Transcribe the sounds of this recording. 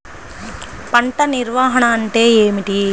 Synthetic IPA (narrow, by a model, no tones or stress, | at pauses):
pɐɳʈɐnɪɾʋaːɦɐɳaːɳʈeːeːmiʈi